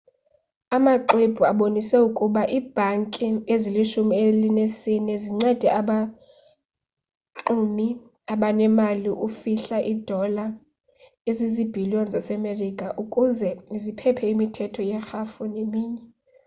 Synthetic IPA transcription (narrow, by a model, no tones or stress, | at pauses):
amaǃeb̥ʱuaɓonisɛukʼuɓaʔiːb̥ʱaŋkʼieziliʃumielinesinɛziŋ͡ǀɛd̥ʱɛaɓa | ǁumi | aɓanɛmaliʔufiɬaʔid̥ʱɔla | ezizib̥ʱiliɔnzasɛmerikʼaʔukʼuzɛzipʰɛpʰɛimitʰɛtʰɔjɛxafɔnemiːɲɛ